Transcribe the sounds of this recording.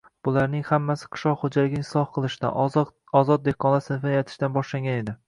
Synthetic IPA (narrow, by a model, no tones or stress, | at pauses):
b̥ʊlaɾnɪŋhamːasɪ̥qʰɨ̥ʃlɒqχod͡ʒalɪɡʲɪɪslˠɒhqɨlˠɪʃɪd̪a̰ | ɒzɒt̪̚d̪ekʰːɒnlˠaɾsɪnɪfɪnajɒt̪ʰɪ̥ʃd̪anbɒʃlaŋɡʲane̞d̪ɪ